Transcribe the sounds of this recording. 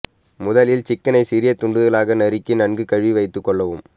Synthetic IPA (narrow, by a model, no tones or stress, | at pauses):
mʊðɐlɪlt͡ʃɪkːɐnɐɪsɪɾɪjɐt̪ːʊɳɖɯðɐlaːɣɐnɐɾɪkːɪnɐɳɡɯkɐɻʋiʋɐɪt̪ːɯkːɔɭːɐʋɯm